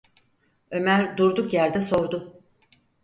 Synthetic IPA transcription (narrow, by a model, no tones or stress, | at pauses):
ø̞mæɾd̪uɾd̪ukjæɾd̪ɛso̞ɾd̪ʊ